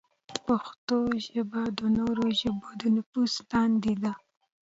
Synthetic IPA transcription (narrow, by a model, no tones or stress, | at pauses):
paxt̪oʒəbad̪ənoɾoʒəbod̪ənafuslɑnd̪ed̪a